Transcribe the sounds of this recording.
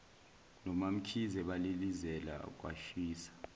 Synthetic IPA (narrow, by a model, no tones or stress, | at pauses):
nɔmam̩kʰizɛɓalilizɛla̰k̬wa̰ʃiːsḁ